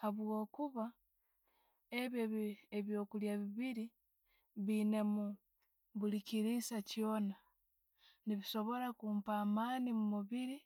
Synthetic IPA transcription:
haβwo̞ːkuβa | eβjoeβjo̞ːkuljaβiβiɾi | βine̞mu | βulikiɾisacjo̞ːna | niβiso̞βo̞ɾakuːmpaːmaːnimumuβiɾi

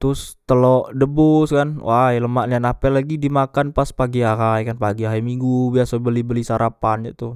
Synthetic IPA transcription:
t̪ɾʊst̪əlɔʔdəbʊskanwʔajləmaʔɲanapɛlaɡidimakanpaspaɡiaɦajkanpaɡiaɦajmiŋɡubiasabəlibəlisaɾapanɲat̪ʊ

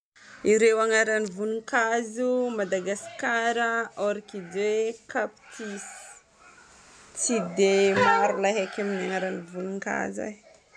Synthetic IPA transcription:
iɾewaŋaɾanivunuŋkazumad̪aɡaskaɾaoɾikid͡ʒwekapi̥t̪ʰisi̥ | t͡sid̪emaɾulaɦakaminaŋaɾanivunuŋka̰zḛ

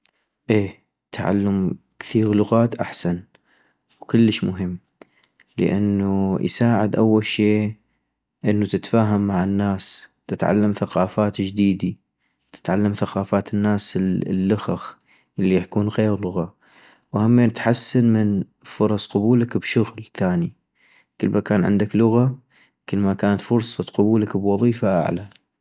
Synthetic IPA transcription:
ʔeː | t̪ʰaʕa̰lːam | kθiːɣlʊɣaːt̪ʔa̰ħsan | wkɪlːəʃmʊɦɪmː | lə̰ʔa̰nːuj̰saːʕɪd̪ʔawːalʃeː | ʔɪnːut̪ɪt̪faːɦamːaʕɪnːaːst̪ɪt̪ʕa̰lːamθaqɑːfaːt̪d͡ʒd̪iːd̪i | t̪ɪ̥t̪ʕalːamθaqɑːfaːt̪ɪnːaːslːʊxax | ʔɪlːijaħkuːnɣeːɾlʊɣa | whamːeːnt̪ħasːanmɪn | fʊɾˤɑsˤqʊbuːlakbʃʊɣlθaːni | kəlːmʔakaːnʕɪ̰nd̪aklʊɣa | kəlmakaːnat̪fʊɾsˤɑqʊbuːlakbwɑðˤiːfaʔa̰ʕla

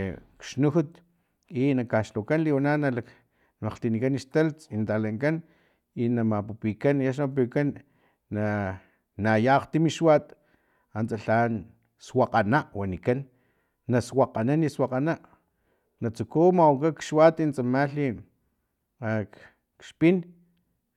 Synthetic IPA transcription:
kʃnuxut̪ | inakaʃlokanliwananalak | maqt̪inikaniʃt̪alt͡sint̪alaŋkan | inamapupikanaʃ̬nmp̬ikanː | a | najaqt̪imiʃwat̪ | ant͡saɬan | swaqanaʔwanikanː | aswaqananiswaqanaʔ | nat͡sukumawukakʃwat̪int͡samaɬin | ak | kʃpin

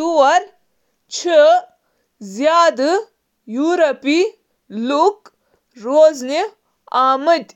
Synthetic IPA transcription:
uɐɾ | t͡ʃʰə | zjaːd̪ɨ | juːɾɐpi | luk | ɾoːzne | aːməd̪ʲ

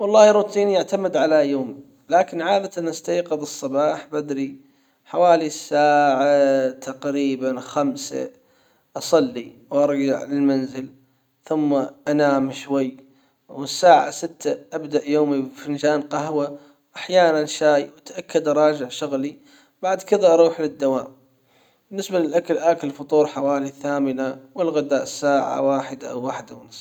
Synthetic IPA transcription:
wɑlˤːɑːhɾut̪ʰiːnjaʕt̪amɪd̪ʕalajoːm | laːkɪnʕaːd̪at̪anʔast̪ajqɨðˤɨsˤːɑbɑːħbad̪ɾi | ħawaːlisːaːʕat̪ʰaqɾiːbanxamsa̰ | ʔɑsˤɑlːiwʔɑɾˤd͡ʒaʕlɪlmanzɪl | θʊmːaʔanaːmʃwajː | wɪsːaːʕa̰sɪt̪ʰːaʔabd̪aʔjoːmifind͡ʒaːnqɑɦwa | ʔaħjaːnanʃaːjwɪt̪ʔakːad̪ɑɾˤɑːd͡ʒɪʕʃʊɣli | baʕd̪kɪðaʔɑɾˤuːħlɪd̪ːawaːm | bɪnːɪsbalɪlʔakalʔakalfʊt̪ˤuːɾˤħawaːliθaːmɪnawɪlɣad̪aːʔsːaːʕa̰waːħɪd̪aʔa̰wːaːħɪd̪awnɨsˤ

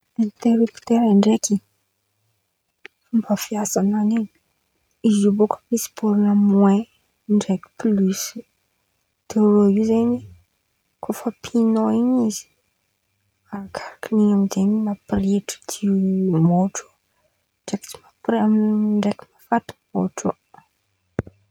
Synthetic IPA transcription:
d̪̥ent̪eɾupi̥t̪eɾaɳɖ͡ʐeki | fumbəfiasananiɲi | izibokə̥misi̥b̥uɾunəmwɛ̃ | ɳɖ͡ʐeki̥plys | d̪̥eɾoizeni | kʰofəpʰinoiɲizi̥ | akʰḁɾakiniɲamid̪eninapreʈ͡ʂə̥d̪imoʈ͡ʂo̥ | ɳɖ͡ʐekti̥mapamɳɖ͡ʐeki̥mafat̪i̥moʈ͡ʂu

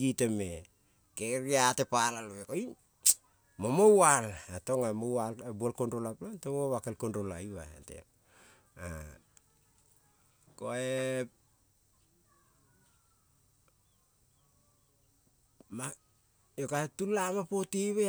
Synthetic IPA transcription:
ɡiteme | keɾiatepalaloβekoin | momowalato̞ŋamowabualkonɾolaplontoŋoβakelkondolaiβa̰ḛtḛ | a̰ | koe | ma | jokatulamapotiβe

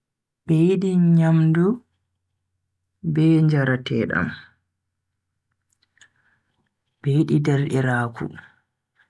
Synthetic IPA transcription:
bejɗiɲamdu | bɛːɲd͡ʒaɾatɛːɗa̰m | b̥ejɗidɛɾɗiɾaːkʰṵ

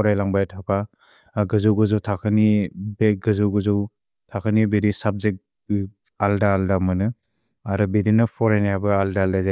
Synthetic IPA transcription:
ɔɾajlaŋbajtʰapʰa | ɡɯzɯwɡɯzɯwtʰakʰɯnibeɡɯzɯwɡɯzɯw | tʰakʰɯnibeɾisab̚zek̚ | aldaːldamɯnɯ | aɾɯbedinɯpʰɔɾajnajabɯaldaːldazaj

